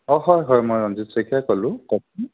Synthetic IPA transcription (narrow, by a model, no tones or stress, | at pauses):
ɔɦɔjɦɔjmɔjɔnzitsekʰiakɔlʊ̃kɔt̚ʰi